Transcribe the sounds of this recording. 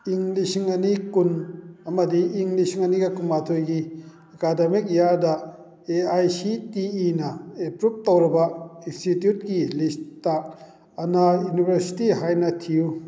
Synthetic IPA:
iŋlisiŋɐnikunɐmɐdiiŋlisiŋɐniɡɐkumatʰojɡi | ɐkademik̚jaɾdɐ | eajsitiːnɐepɾup̚towɾibɐinstitjut̚kilistaː | najunibʱeɾsi̥tiɦajnɐtʰiu

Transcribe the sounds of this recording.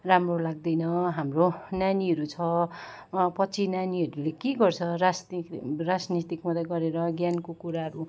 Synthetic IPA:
ramrolaɡ̚d̪ʌjnʌɦamronaniɦʌɾut͡sʰʌ | pʌt͡sʰinaniɦʌɾulekeɡʌrt͡sʰʌrasrad͡znit̪ikmʌt̪aɡʌɾeɾʌɡjankokuɾaɦʌɾu

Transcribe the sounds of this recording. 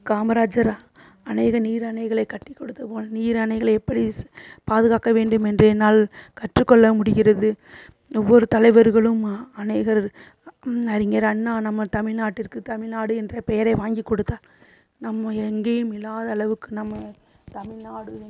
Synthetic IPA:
kaːmɐɾaːd͡ʒɐɾ | ɐneːɣɐniːɾɐnɐɪɣɐɭɐɪkːɐʈːɪkːɔɽɯt̪ːɐpoːɐniːɾɐnɐɪɣɐɭɐɛpːɐɽipaːðɯɣaːkɐʋeːɳɖɯmɛndrɯɛnːaːlkɐʈrɯkːɔɭːɐmʊɽɪɣɪrɐðɯ | ɔʋːɔɾɯt̪ɐlɐɪʋɐɾɣɐɭɯmɐneːɣɐɾ | ɐɾɪŋɡɐɾɐnːaːnɐmːɐt̪ɐmɪlnaːʈːɪɾkɯt̪ɐmɪlnaːɽɯɛndrɐpɛjɐɾɐɪʋaːŋɡikːɔɽɯt̪ːaː | nɐmːɐɛŋɡeːjɯmɪlːaːðɐːɭɐʋɯkːɯnɐmːɐ | t̪ɐmɪlnaːɽɯ

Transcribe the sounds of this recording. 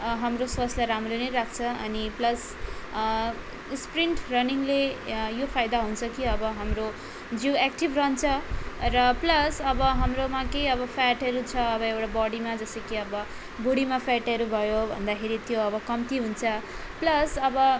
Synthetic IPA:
ɦamroswʌslaɾamronʌjɾakʰt͡sʰʌʌ̰niplʌs | spriɳʈrʌniŋlejopʰajd̪aɦunt͡sʰʌkiʌbʌɦamro | d͡ziwekʈibrʌnt͡sʰʌrʌplʌsʌbʌɦamromakejʌbʌpʰaʈɦʌɾut͡sʰʌːbʌewʈabʌɽimad͡zʌsʌkeʌbʌ | boɽimapʰaʈʌɾubʱʌjobʱʌ̰nd̪akʰeɾit̪joʌbʌkʌmt̪iɦunt͡sʰʌplʌsʌbʌ

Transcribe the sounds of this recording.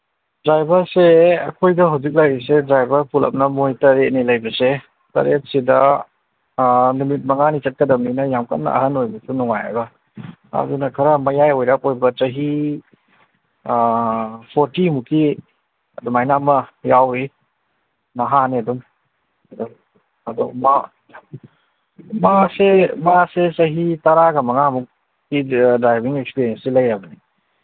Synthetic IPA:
dɾajbɐɾseɐ̰kʰojdɐɦawzik̬̚lajɾis̬edɾajbɐɾpulɐ̰p̚nɐmojtɐɾet̚nilɐjbɐse | tɐ̰ɾet̚sidɐ | numit̚mɐŋanit͡ʃɐt̚kɐdɐmninɐjamkɐ̰t̚nːɐ̰ʔɐ̰ɦɐnojbɐsunuŋaja̰bɐ | ɐ̰dunɐkʰɐɾɐmɐjajojɾak̚ojbɐt͡ʃɐɦi | pʰoɾtimuki | ɐ̰dumajnamɐjawɾi | nɐɦaniɐdum | ɐdɔ | ɐdɔ̰ma | masemaset͡ʃɐɦitɐɾaɡamɐŋamuk | ɡidɾajbiŋekspiɾiensilɐjɾabɐni

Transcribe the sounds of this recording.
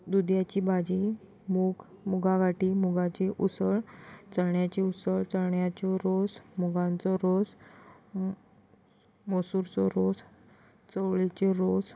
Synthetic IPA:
d̪ud̪jat͡ɕibad͡ʑi | muɡmuɡʱaɡʱaʈimuɡãt͡ɕiʔusəɭt͡səɳjat͡ɕiusəɭt͡səɭɳjat͡ɕɔɾosmuɡãnt͡sɔɾos | mosuɾt͡sɔɾos | t͡səʋɭit͡ɕeɾos

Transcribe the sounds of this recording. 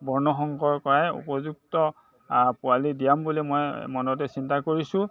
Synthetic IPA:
bɔɹnɔxɔŋɡɔɹkɔɹajṵpɔzuk̚tɔ | pʊalidijambulimɔjmɔnɔt̬ɛsintakoɹisʊ̃

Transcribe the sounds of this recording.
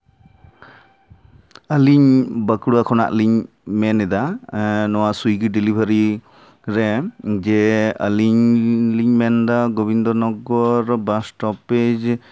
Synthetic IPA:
əliɲbəkɽuakʰɔna̰ʔliɲ | mɛnɛd̪anɔwasujɡiɖilibʱəɾi | ɾɛd͡ʒɛə̰liɲliɲmɛnd̪aɡɔbind̪ɔɾnɔɡɔɾbasʈɔpɛd͡ʒ

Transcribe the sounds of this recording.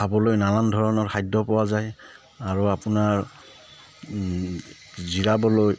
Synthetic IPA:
abɔlojnalandʱɔɹɔnɔɹxʰajdɔpɔwazaj | aɹuapʊnaɹ | ziɹabɔloj

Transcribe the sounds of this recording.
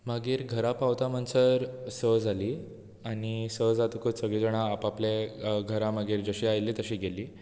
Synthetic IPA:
məɡiːɾɡʱəɾapaʋt̪am̤ənsəɾsəd͡zʱaliː | añisəd͡zat̪ukəsəɡɭid͡zəɽ̃aːpapleɡʱəɾãməɡiːɾd͡zəɕiːajlːiːt̪əɕiːɡeliː

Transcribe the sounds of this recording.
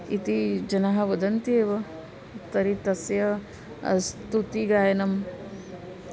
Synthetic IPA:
it̪id͡ʒɐnɐɦɐʋɐd̪ɐnt̪ieːʋɐ | t̪ɐɾit̪ɐsjɐ | ɐ̰st̪ut̪iɡaːjɐnɐm

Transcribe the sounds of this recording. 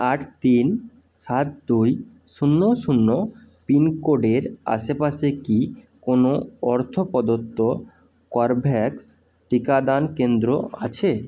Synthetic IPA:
aʈʰt̪in | ʃat̪̚d̪uj | ʃunːoʃunːo | pinkoɖeɾa̰ʃepaʃeki | konoɔɾt̪ʰopɔd̪ot̪ːo | kɔɾbʱɛks | ʈikad̪ankend̪ɾoa̰t͡ɕʰe

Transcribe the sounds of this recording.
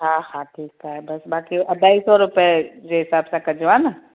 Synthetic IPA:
ɦãːhãːʈʰiːkaɦɛbɐsbaːkiʔɐd̪aːisɔɾʊped͡ʒeɦɪsaːbsãkɐd͡ʒʋana

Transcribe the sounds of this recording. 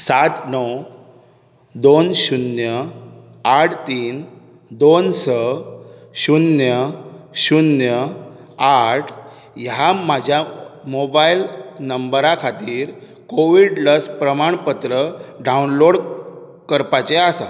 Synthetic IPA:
sat̪nəw | d̪onɕunjə | aʈʰt̪iːn | d̪onsə | ɕunjəɕunjə | aʈʰ | jamad͡ʑʱjamobailnəmbəɾakʰat̪iːɾ | koʋiɽləspɾəmaɳpət̪ɾəɖaunloɽ | kəɾpat͡ɕeasa̰

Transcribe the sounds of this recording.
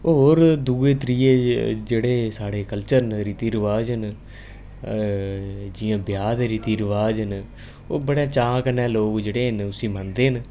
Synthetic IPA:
oːɾd̪uːeːt̪ɾiːeːd͡ʒeːɽeːsaːɽeːkəlt͡ʃəɾnɾit̪iːɾəʋaːd͡ʒən | d͡ʒɪjãːbjaːd̪eːɾit̪iːɾʋaːd͡ʒən | oːbəɽaːt͡ʃãːkənɛːloːkd͡ʒeːɽeːnʊsĩːmand̪eːɦən

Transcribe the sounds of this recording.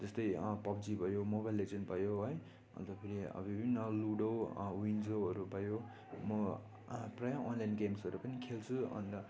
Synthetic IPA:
d͡zʌst̪ʌjpʌb̚d͡zibʱʌjomobajlːed͡zʌnbʌjoɦʌj | ʌ̰t̪ʌpʰiɾiʌ̰bibʱinːʌluɽʌwwind͡zʌwʌɾubʌjo | mʌ | prʌjaʔonlajnɡemsʌɾupʌnikʰelt͡sʰuʌ̰nd̪ʌ

